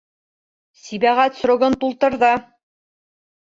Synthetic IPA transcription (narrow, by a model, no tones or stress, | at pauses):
sibæʁæt̪sɾoɡɤnt̪ulˠt̪ɤ̆ɾðɤ